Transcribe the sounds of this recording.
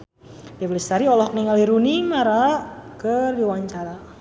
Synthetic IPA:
diflist̪aɾiɔlɔhk̚niŋaliɾunimaɾaʔkərdiwaɲt͡ʃaɾa

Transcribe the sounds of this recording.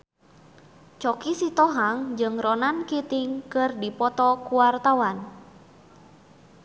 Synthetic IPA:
t͡ʃɔkisit̪ɔɦaŋd͡ʒɨŋrɔnankit̪iŋkɨrdipɔt̪ɔkuwart̪awan

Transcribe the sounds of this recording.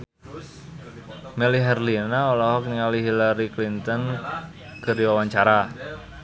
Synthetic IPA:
mɛliɦɛrlinaolɔɦɔk̚niŋaliɦilaɾiklint̪ɔn | kəɾiwawaɲt͡ʃaɾa

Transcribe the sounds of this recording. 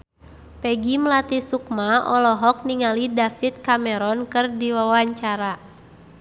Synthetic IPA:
pɛɡiməlat̪isuk̚maɔlɔɦɔk̚niŋalidafit̪̚kamɛɾɔnkɨrdiwawaɲt͡ʃaɾa

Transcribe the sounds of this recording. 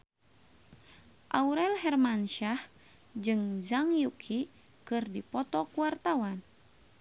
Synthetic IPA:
ʔauɾɛlhɛrmanʃah | d͡ʒɨŋzaŋjukʰi | kɨrdipɔt̪ɔkuwart̪awan

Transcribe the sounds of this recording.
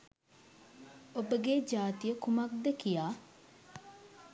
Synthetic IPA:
obəɡed͡ʒaːt̪ijəkumak̚d̪əkijaː

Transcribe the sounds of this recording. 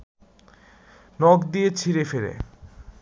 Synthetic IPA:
nɔkd̪iet͡ɕʰiɾefeɾḛ

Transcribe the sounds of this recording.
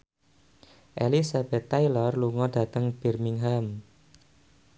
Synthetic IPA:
ʔelisab̥ɛt̪ːajlɔrluŋɔd̥ä̤t̪əŋb̥i̤rmiŋɦam

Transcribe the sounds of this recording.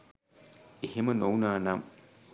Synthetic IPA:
ihemɐnownaːnam

